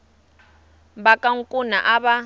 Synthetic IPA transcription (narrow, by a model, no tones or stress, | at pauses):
bakʼaŋ̩kʼunaʔaβa